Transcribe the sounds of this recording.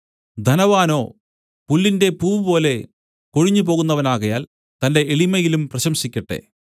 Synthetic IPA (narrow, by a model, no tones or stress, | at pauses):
d̪ʱɐnɐʋaːno̞ː | pulːinde̞puːʋpo̞ːle̞ | ko̞ɻiɲːupo̞ːɣunːɐʋɐnaːɣɐjaːl | t̪ɐnde̞ːɭimɐjilumprɐɕɐmɕikʲːɐʈːe̞̰